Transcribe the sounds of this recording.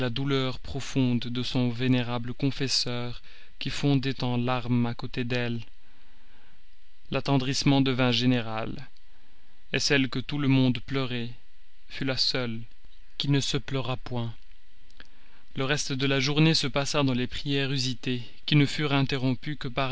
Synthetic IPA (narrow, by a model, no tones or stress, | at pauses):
lad̪ulœʁpχɔfɔ̃d̪ːəsɔ̃veneʁabləkɔ̃fɛsœːʁ | kʲifɔ̃d̪ɛt̪ɑ̃laʁmakot̪ed̪ɛl | lat̪ɑ̃d̪ʁismɑ̃d̪əvɛ̃ʒeneʁal | esɛlkət̪uləmɔ̃d̪plœʁɛ | fylasœl | kʲinəsəplœʁapwɛ̃ | ləʁɛst̪əd̪əlaʒuʁnesəpasad̪ɑ̃lepχijɛʁyzit̪e | kʲinəfyʁɛ̃t̪eʁɔ̃pykəpaʁ